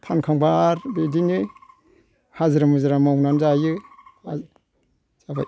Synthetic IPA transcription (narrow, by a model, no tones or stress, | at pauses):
tʰankʰaŋbaɾbedinɯ | hazɯɾamɯzaɾamawnanzajɯa | z̥abaj